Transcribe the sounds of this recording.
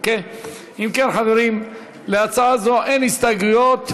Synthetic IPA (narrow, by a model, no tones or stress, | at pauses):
ke | imkenχaveɾim | leat͡saazoʔenhist̪aɡujot̪